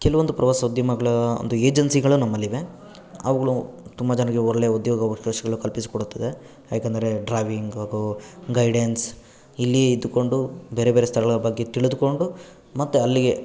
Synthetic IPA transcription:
kɛluʋod̪upɾɐʋaːsɐud̪jɐmɐɡɐɭɐo̰nd̪ueːd͡ʒɐnsiɡɐɭunɐmːɐlːiʋe̞ | ɐ̰ʋɐɡɐɭut̪umbad͡ʒɐnɐɡeɔɾɭejɐud̪joːɡɐʋɐʃɐʃɐɡɐɭukɐlpisi̥koɽut̪ːɐd̪e̞ | jaːkend̪ɐɾe̞ɖɾaːʋiŋɡaːɡuɡɐjɖens | ilːieid̪ːuko̞ɳɖube̞ːɾe̞beːɾest̪ʰɐɭɐɐɭbɐɡːe̞t̪iɭud̪uko̞ɳɖu | mɐt̪ːuɐlːiɡe̞

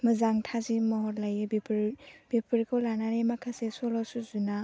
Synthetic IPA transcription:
mɯzaŋtʰazimɔɦɔɾlajbipʰɾb̥ipʰɯɾkʰɔlanaɾemakʰasesɔlɔsuzuna

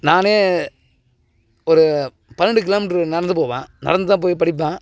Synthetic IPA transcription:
naːneː | ɔɾɯ | pɐnːɐɳɖɯk̬ɪloːmʈɯnɐɽɐnd̪ɯpoːʋã̰ːnɐ̰ɽɐnd̪ɯt̪ãːp̬oːjipɐɽɪp̬ːãː

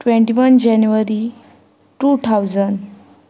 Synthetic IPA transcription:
ʈʋẽɳʈiʋənd͡ʑɛnuʋəɾi | ʈut̪ʰawd͡zənɖ

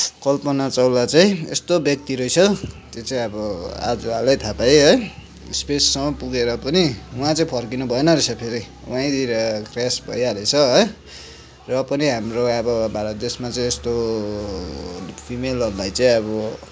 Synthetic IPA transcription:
kʌlpʌnat͡sʌwlat͡saĩḛst̪objʌk̚t̪iɾʌjt͡sʰʌt̪jot͡saĩʌbʌa̰d͡zualʌjt̪ʰapajɦʌj | spesːʌmʌpuɡeɾʌpʌniuãt͡saĩpʰʌrkinubʱʌenʌɾesʰʌpʰeɾi | wãĩd̪iɾʌkrasbʱʌ̰jaɾet͡sʰʌɦʌj | rʌpʌniɦamroʌbʌbʱaɾʌt̪̚d̪esmat͡saĩest̪o | pʰimelʌrlajt͡saĩʌbʌ

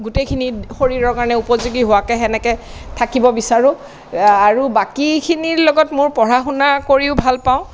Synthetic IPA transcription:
ɡutejkʰinixoɹiɹɔɹkaɹɔnɛupɔzuɡiɦowakɛxɛnɛkɛtʰakibɔbisaɹʊ̃ | aɹubakikʰiniɹlɔɡɔtmʊɹpɔɹaxunakoɹiʊbʱalpaʊ̃

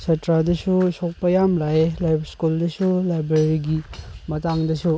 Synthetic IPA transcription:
sɐtɾadɐsusok̚pɐjamlaelajbskuldɐsulajbɾeɾiɡimɐtaŋdɐsu

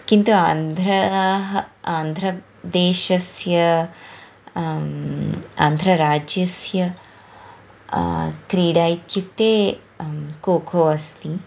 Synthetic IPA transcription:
kint̪uaːnd̪ʱɾɐɦaːnd̪ʱɾɐ | d̪eːʃɐsjɐ | a̰ːnd̪ʱɾɐɾaːd͡ʒjɐsjɐ | kɾiːɖaːjt̪juk̚t̪eː | koːkʰoːɐst̪i

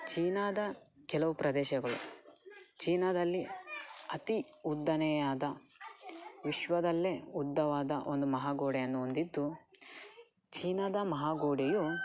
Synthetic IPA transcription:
t͡ʃiːnaːd̪ɐ | kɛlɐʋupɾɐd̪ɛːʃɐɡɐɭṵ | t͡ʃiːnɐd̪ɐlːiɐt̪iud̪ːɐnɛjaːd̪ɐ | ʋiʃʋɐd̪ɐlːeud̪ːɐʋaːd̪ɐʔo̞nd̪umɐɦaːɡoːɖɛjɐnːuond̪id̪ːu | t͡ʃiːnaːd̪ɐmɐɦaːɡoːɽeju

